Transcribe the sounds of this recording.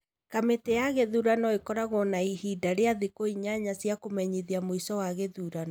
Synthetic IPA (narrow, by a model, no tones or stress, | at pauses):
kametejaɣeðuɾanɔekɔɾaɣɔnaiɦidaɾeaðikoiɲaɲasjakomɛɲiðiamoisɔwaɣeðuɾanɔ